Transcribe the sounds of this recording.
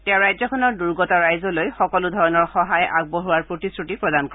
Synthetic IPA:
tɛ̃ɹajzɔkʰɔnɔɹduɹɡɔtɔɹajzɔlojxɔkɔludʱɔɹɔnɔɹxɔɦajʔaɡ̚boɦuwaɹpɹotisɹutipɹɔdankɔ

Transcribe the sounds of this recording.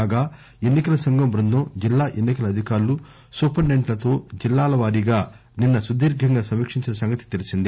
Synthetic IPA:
aːɡaː | e̞nːikɐlɐsɐŋɡɐmbɾund̪ʱɐmd͡ʒilːaːʔe̞nːikɐlɐd̪ʱikaːɾulu | suːpɐɳɖeɳʈlɐt̪o̞ːd͡ʒilːaːlɐʋaːɾiɡaː | ninːɐsud̪iːɾɡʱɐŋɡaːsɐmiːkʂiɲt͡ʃinɐsɐŋɡɐt̪i̥t̪elisind̪i

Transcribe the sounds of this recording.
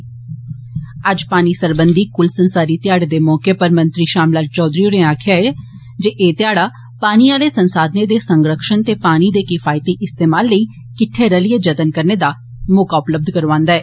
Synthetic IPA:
əd͡ʒpaːniːsəɾbənd̪iːkʊlsənsaːɾiːt̪jaːɽeːd̪eːmɔːkepəɾmə̃nt̪ɾiːʃaːmlaːt͡ʃɔːd̪ɾioneaːkʰɪjaːɛː | d͡ʒeːʔeːt̪ɪjaːɽaː | paːniːaːleːsənsaːd̪ned̪eːsəŋɡɾəkʃənt̪eːpaːnid̪eːkɪfʰaːɪt̪eːʔɪst̪eːmaːlːəiː | kɪʈʰːeːɾəlijeːd͡ʒət̪ənkəɾneːd̪aː | mʊkaːʊpləb̚d̪kəɾʋãːnd̪aːɛː

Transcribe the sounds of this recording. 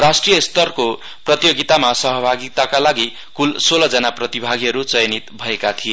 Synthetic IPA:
rasʈrijʌst̪ʌrko | prʌt̪joɡit̪amasʌɦʌbʱaɡit̪akalaɡi | kulsolʌd͡zʌnaprʌt̪ibʱaɡiɦʌɾut͡sʌjnit̪bʱʌekat̪ʰije

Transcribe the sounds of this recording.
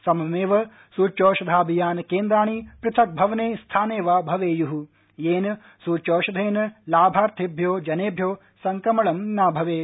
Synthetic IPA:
sɐmɐmeːʋɐ | suːt͡ʃoːʃɐd̪ʱaːbʱijaːnɐkeːnd̪ɾaːɳipɾɪt̪ʰɐk̚bʱɐʋɐneːst̪ʰaːneːʋaːbʱɐʋeːjuɦu | jeːnɐ | suːt͡ʃoːʃɐd̪ʱeːnɐlaːbʱaːɾt̪ʰibʱjoːd͡ʒɐneːbʱjoː | sɐŋkɐmɐɭɐmnaːbʱɐʋeː

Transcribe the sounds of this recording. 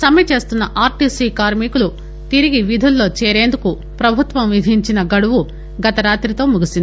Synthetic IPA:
sɐmjɐt͡ʃe̞ːst̪unːɐʔaːɾʈiːsiːkaːɾmikulu | t̪iɾiɡiʋid̪ʱulːo̞ːt͡ʃeːɾe̞ːnd̪uku | pɾɐbʱut̪ʋɐmʋid̪ʱiɲt͡ʃinɐɡɐɽuʋu | ɡɐt̪ɐɾaːt̪ɾit̪o̞ːmuɡisind̪i

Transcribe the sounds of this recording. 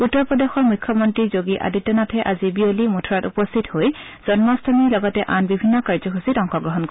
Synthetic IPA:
utːɔɹpɔdexɔɹmujkʰːɔmɔntɹizoɡiʔa̰ditːɔnatʰɛʔazibiolimutʰɔɹatupɔst̪ʰithoj | z̥ɔnmɔstʰɔmilɔɡɔtɛʔanbibʱinːɔkaɹzɔɦusitɔŋxɔɡɹɔɦɔnk

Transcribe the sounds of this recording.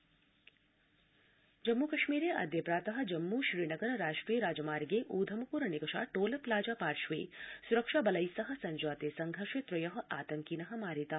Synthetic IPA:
d͡ʒɐmːukɐʃmiːɾeːʔɐ̰d̪ʱjɐpɾaːt̪ɐɦɐ̆d͡ʒɐmːuːʃɾiːnɐɡɐɾɐɾaːʃʈɾijɐɾaːd͡ʒɐmaːɾɡeːʔuːd̪ʱɐmɐpuːɾɐnikɐʂa̰ːʈoːlɐplaːd͡ʒaːpaːɾʃʋḛːsuɾɐkʃabɐlɐjsɐɦɐ̆sɐɲd͡ʒaːt̪eːsɐŋɡʱɐɾʃet̪ɾɐjɐɦɐ̆ʔaːt̪ɐŋkinɐɦɐ̆maːɾit̪a

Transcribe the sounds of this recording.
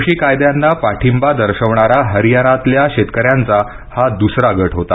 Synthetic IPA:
ɕiːkajd̪janːapaʈʰimbad̪əɾɕəʋɳaɾaɦəɾijanat̪ljaɕet̪kəɾjant͡sa | had̪usɾaɡəʈʰɦot̪a

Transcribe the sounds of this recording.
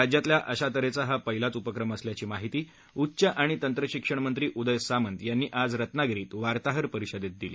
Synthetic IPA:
ad͡ʑjat̪ljaʔəɕat̪əɾet͡saɦapəɦilat͡supəkɾəməsljat͡ɕiːmaɦit̪iː | utːɕəʔaɽ̃it̪ənt̪ɾəɕikʂəɳ̃mənt̪ɾiːʔud̪əjsamənt̪janːiːʔad͡zɾət̪naɡɾiːt̪ʋaɾt̪aɦəɾpəɾiɕəd̪et̪̚d̪ilḭ

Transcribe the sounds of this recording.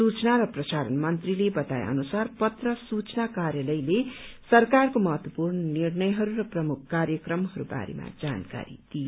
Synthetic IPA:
sut͡snaɾʌprʌsaɾʌnmʌnt̪rilebʌt̪a̰j̰ʔʌ̰nusarpʌt̪rʌsut͡snakaɾjʌlʌjlesʌrkarkomʌɦʌt̪wʌpurnʌnirnʌjɦʌɾurʌprʌmukʰkːarjʌkrʌmɦʌɾuba̰ɾḛma̰d͡zanka̰ɾḭd̪̥io

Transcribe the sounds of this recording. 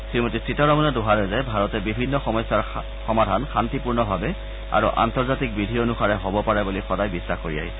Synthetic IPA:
simotisitaɹɔmɔnɛdʊɦaɹɛzajbʱaɹɔtɛbibʱinːɔxɔmɔjsaɹ | xɔmadʱanxantipuɹnɔbʱabɛ | a̰ɹṵʔa̰ntɔɹzatik̚bidʱionuxaɹɛɦobɔpaɹɛbulixɔdajbisːaxkoɹḭa̰ɦi

